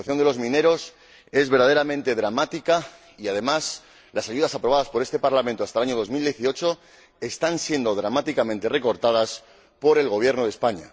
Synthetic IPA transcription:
aθjo̞nd̪e̞lo̞zmĩne̞ɾo̞s | e̞zβeɾðaðeɾamẽnt̪e̞ðɾamat̪ika | iað̞e̞mas | lasaʝuðasapɾoβaðaspo̞ɾe̞st̪e̞paɾlament̪oast̪alaɲo̞ð̞o̞zmild̪je̞θio̞t͡ʃo̞ | e̞st̪ansje̞nd̪o̞ðɾamat̪ikamẽnt̪e̞re̞ko̞ɾt̪aðas | po̞ɾe̞lɣo̞β̞je̞ɾno̞ð̞espaɲa̰

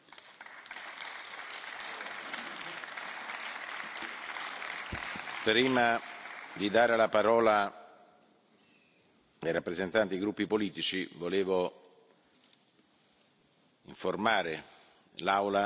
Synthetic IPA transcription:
pɾiːmad̪id̪aːɾelapaɾɔːla | ejɾapːɾezent̪ant̪iaɡɾupːipoliːt̪it͡ʃivoleːvo | iɱformaːɾe | lawla

